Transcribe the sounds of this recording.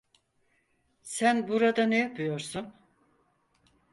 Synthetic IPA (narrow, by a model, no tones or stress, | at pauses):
sænbuɾad̪anejapʰɯjo̞ɾsun